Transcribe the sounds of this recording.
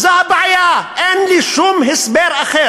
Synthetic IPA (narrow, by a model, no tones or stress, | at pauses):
zaːbaʕjaenliʃumɦɪsbeːɾɐxeːɾ